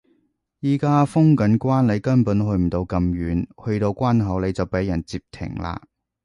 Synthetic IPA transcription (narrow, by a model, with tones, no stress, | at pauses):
jiː˨˩kaː˥fʊ˥ŋkɐ˨˥nkʷaː˥nle˨˧jkɐ˥npuː˨˥nɦɵ˧ɥm̩˨˩t̪o˧wkɐ˧mjyː˨˧nhɵ˧ɥt̪o˧wkʷaː˥nɦɐ˨˥wle˨˧jt͡sɐ˨wpe˨˥jːɐ˨˩nt͡siː˧p̚t̪ʰɪ̰˨˩ŋla̰ː˧